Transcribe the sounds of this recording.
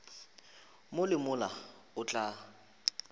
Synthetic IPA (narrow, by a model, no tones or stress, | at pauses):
mʊlɪmʊla | ʊt͡ɬʼa